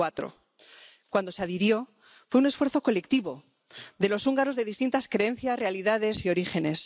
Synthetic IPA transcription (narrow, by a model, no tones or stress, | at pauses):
at̪ɾo̞̰ | kwand̪o̞seaðiɾjo̞ | fwe̞unesfwe̞ɾθo̞ko̞le̞kt̪iβo̞ | d̪e̞lo̞suŋɡaɾo̞zðe̞ðist̪int̪askɾe̞e̞n̟θjarealiðaðe̞sio̞ɾixe̞ne̞s